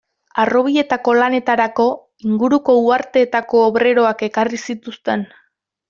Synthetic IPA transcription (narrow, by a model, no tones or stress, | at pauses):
aro̞β̞ie̞t̪ako̞lane̞t̪aɾako̞ | iŋɡuɾuko̞uaɾt̪e̞ːt̪ako̞ːβɾe̞ɾo̞ake̞karisit̪ust̪e̞n